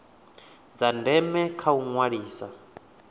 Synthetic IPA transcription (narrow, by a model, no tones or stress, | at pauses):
d͡zandɛmɛkʰauŋwaɺiːsa